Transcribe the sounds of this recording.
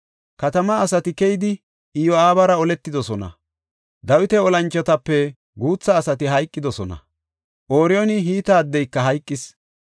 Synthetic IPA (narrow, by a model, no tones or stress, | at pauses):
kɐt̪ɐmɐːsɐt̪ɪkɛjɪd̪ɪ | ɪjɔaːbɐɾɐɔlɛt̪ːɪd̪ɔsɔnɐ̰ | d̪ɐwɪt̪ɛɔlɐnt͡ʃʼːɛt̪ɐpːɛ | ɡuːt͡sːɐːsɐt̪ɪɦɐjkʼːɪd̪ɔsɔnɐ̰ | ʔoːɾɪjɔnɪɦiːt̪aːd̪ːɛjkːɐɦɐjkʼːɪs